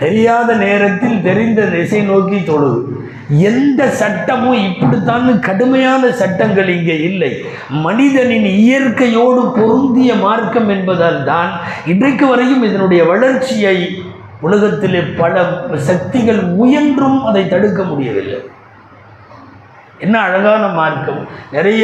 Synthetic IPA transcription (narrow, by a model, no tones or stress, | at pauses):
t̪ɛɾɪjaːðɐneːɾɐt̪ːɪlt̪ɛɾɪnd̪ɐnɛsɐɪnoːkit̪ɔɽɯ | ɛnd̪ɐsɐʈːɐmɯ̃ɪpːɐɽit̪ːaːnɯkɐɽɯmɐjaːnɐsɐʈːɐŋɡɐɭɪŋɡeːɪlːɐɪ | mɐnɪðɐnɪnɪjɐrkɐjoːɽɯpɔɾɯnd̪ɪjɐmaːrkɐmɛnbɐðaːlt̪aːnɪndrɐɪkːɯʋɐɾɐjɯmɪðɐnɯɽɐjɐʋɐɭɐɾt͡ʃːɪjɐɪ | ʊlɐɣɐt̪ːɪleːpɐlɐsɐk̚t̪ɪɣɐɭʊjɐndrɯmɐðɐɪt̪ːɐɽɯk̬ːɐmʊɽɪjɐʋɪ̰lːɐ̰ɪ | ɛnːɐːɻɐɣaːnɐmaːrkɐmnɪɾɐjɐ